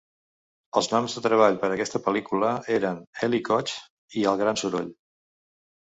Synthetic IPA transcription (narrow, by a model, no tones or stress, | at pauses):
əlˠznɔmzðət̪ɾəβaʎpəɾəkɛst̪əpəlikuləeɾənɛlikɔt͡ʃ | iəlˠɣ̞ɾansuɾo̰ʎ